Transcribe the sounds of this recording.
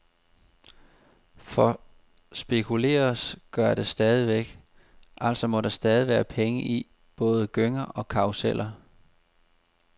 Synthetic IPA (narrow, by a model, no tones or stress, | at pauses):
fɒ̽ | sb̥e̝kʰule̝̰ːɐsɡ̥ɶɐd̥e̝sd̥ɛːð̞ˠiʋeɡ̥ | ʔæl̰sɒ̽mɒ̽ɾɑ̈sd̥ɛːð̞ˠiʋæːɐpʰeŋəʔi | b̥ɔ̽ːð̞̩ˠəɡ̥øŋɐʔɒ̽kʰɑ̈ʊsel̰ʔɐ